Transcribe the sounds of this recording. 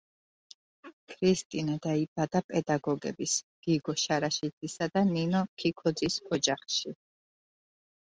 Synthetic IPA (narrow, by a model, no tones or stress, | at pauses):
kʰɾist̪ʼinad̪aibad̪apʼɛd̪aɡɔɡɛ̰bisɡ̥iɡɔʃaɾaʃid̪isad̪aninɔkʰikʰɔd̪zisɔd͡ʒaχʃi